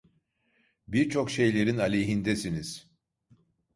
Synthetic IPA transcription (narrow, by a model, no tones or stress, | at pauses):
biɾt͡ʃʰo̞kʃe̞jlʲe̞ɾinalʲeɦind̪ɛsiniz̥